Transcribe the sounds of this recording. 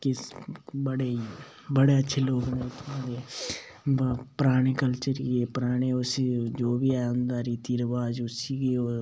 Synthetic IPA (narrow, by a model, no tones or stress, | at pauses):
kɪbəɽe | bəɽeətːʃʰeloːɡnẽt̪ʰmaːɾe | pɾaːɽ̃eːkəlt͡ʃəɾepɾaːɽ̃eːʊsid͡ʒoːbʱiɛnd̪aːɾit̪iːɾəʋaːd͡ʒʊsikeo